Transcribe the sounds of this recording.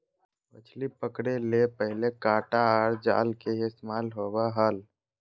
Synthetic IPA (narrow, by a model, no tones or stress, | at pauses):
pə̰t͡ʃʰlipəkɽelepəɦɪlekaːʈaəɾd͡ʒa̰ːlkeɪst̪emaːlɦobaɦəl